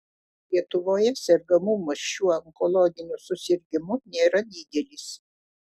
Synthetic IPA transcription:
lʲiɛt̪ʊʋoːjɛsʲɛɾɡɐmuːmɐʃuːɐŋkɔlˠɔɡʲɪnʲʊsʊsʲɪɾʲɡʲɪmʊnʲeːɾɐd̪ʲiːd̪ʲɛlʲɪs

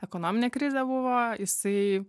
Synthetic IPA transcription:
ɛkonoːmʲɪnʲekɾʲɪzʲɛbʊʋoːjɪsɐɪ

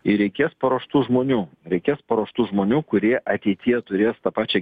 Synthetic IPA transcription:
ɪɾʲɛɪkʲeːspɐɾoːʃt̪uːʒmoːnʲuːɾʲɛɪkʲeːspɐɾoːʃt̪uːʒmoːnʲuːkʊɾʲiɛʔɐt̪ʲɛɪt̪ʲijɛt̪ʊɾʲeːst̪ɐpɑːt͡ʃʲɛ

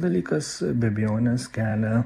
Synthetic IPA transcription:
d̪ɐlʲiːkɐsbʲɛbʲɪjoːnʲɛskʲæːlʲɛ

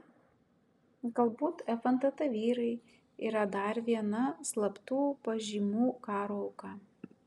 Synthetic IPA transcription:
ɡɐlˠbuːt̪ɛfɐnt̪ɐt̪ɐʋʲiːɾɐɪ | ḭːɾɐd̪ɐɾʋʲiɛnɐslˠɐpt̪uːpɐʒʲiːmuːkɑːɾoːɐʊkɑ

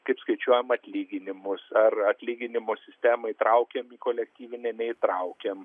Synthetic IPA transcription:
kɐɪpskɐɪt͡ʃʲuɔjɛmɐt̪ʲlʲiːɡʲɪnʲɪmʊsɐrɐt̪ʲlʲiːɡʲɪnʲɪmoːsʲɪsʲt̪ʲæːmɐɪt̪ɾɐʊkʲemiːkoːlʲɛkt̪ʲiːʋʲɪnʲɛnʲɛɪt̪ɾɐʊkʲɛm

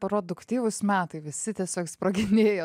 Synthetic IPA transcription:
pɾoːd̪ʊkt̪ʲiːʋʊsmʲæːt̪ɐɪʋʲɪsʲɪt̪ʲiɛsʲoːkspɾoɡʲɪnʲeːjoː

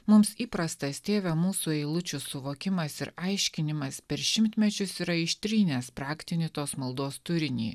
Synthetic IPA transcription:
mʊmsiːpɾɐst̪ɐst̪ʲeːʋʲɛmuːsuɛɪlˠʊt͡ʃʲʊsʊʋoːkʲɪmɐsɪɾɐɪʃʲkʲɪnʲɪmɐspʲɛɾʃʲɪmʲt̪ʲmʲɛt͡ʃʲʊsiːɾɐɪʃʲt̪ʲɾʲiːnʲeːspɾɑːkʲt̪ʲɪnʲɪt̪oːsmɐlˠd̪oːst̪ʊɾʲɪnʲḭː

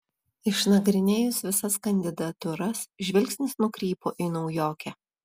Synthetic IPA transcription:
ɪʃnɐɡɾʲɪnʲeːjʊsʋʲɪsɐskɐnʲd̪ʲɪd̪ɐt̪ʊɾɐsʒʲʋʲɪlʲksʲnʲɪsnʊkɾʲiːpoːʔinɒʊjoːkʲɛ

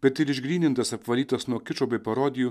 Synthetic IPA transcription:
bʲɛt̪ɪɾɪʒʲɡɾʲiːnʲɪnt̪ɐsɐpʋɐlʲiːt̪ɐsnuɔkʲɪt͡ʃoːbʲɛɪpɐɾoːd̪ʲɪjuː

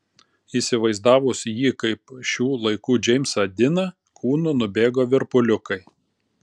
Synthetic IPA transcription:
iːˑsʲɪʋɐɪzd̪ɑːʋʊsjiːkɐɪpʃʲuːlˠɐɪkuːd͡ʒʲɛɪmʲsɐd̪ʲɪnɐ | kʰuːnʊnʊbʲeːɡoːʋʲɪɾpʊlʲʊkɐɪ

